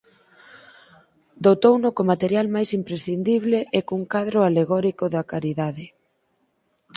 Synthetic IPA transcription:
d̪ot̪ownʊkomat̪eɾjalmajsimpɾesθind̪iβ̞leʔekuŋkaðɾʊaleɣɔɾikoðɐkaɾiðaðɪ

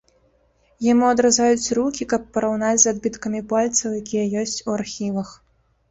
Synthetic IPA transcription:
jamuɐd̪ɾazajut͡sʲrukʲikɐpːɐɾawnat͡sʲzad̪bʲit̪kɐmʲipalʲt̪sɐwjakʲijɐjɔsʲt͡sʲuarxʲivɐx

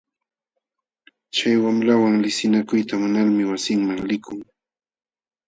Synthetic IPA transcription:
t͡ʃajwamɾawaŋlɪsɪnakʊjt̪amʊnaɾmɪwasɪŋmaŋlɪkʰʊŋ

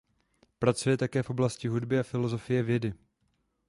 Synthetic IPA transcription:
pɾat͡sujɛt̪akɛːfʔo̞blascɪɦudbɪafɪlo̞zo̞fɪjɛvjɛdɪ

